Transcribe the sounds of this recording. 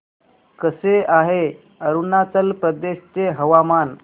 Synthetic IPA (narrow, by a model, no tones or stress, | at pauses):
kəseaɦe | əɾunat͡səlpɾəd̪eɕt͡ɕeɦəʋaman